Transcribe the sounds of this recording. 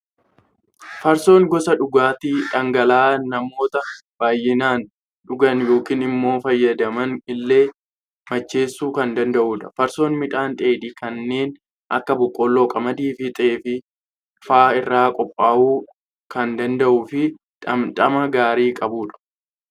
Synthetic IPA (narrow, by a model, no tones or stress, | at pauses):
fɐɾso̞ːŋɡɔsɐᶑʊɡaːt̪iːᶑɐŋɡɐlaːnɐmo̞ːt̪ɐb̥aːjːɪnaːn | ᶑʊɡɐnjo̞ːkiːnɪmːo̞ːfɐjːɐd̪ɐmɐnɪlːe̞ː | mɐt͡ʃːe̞ːsːuːkɐnd̪ɐnd̪ɐʔuːᶑɐfɐɾso̞ːnmɪᶑ̪ʼaːnt̪ʼe̞ːd̪iːkɐnːe̞ːn | ʔɐ̰kːɐbʊkʼːɔlːo̞ːkʼɐmɐd̪iːfɪt̪ʼeːfɪ | faːɪrːaːkʼɔpʼːaːʔuː | kɐnd̪ɐnd̪ɐʔuːfɪ | ɐᶑʼɐmɐɡaːɾiːkʼɐbuːᶑɐ̥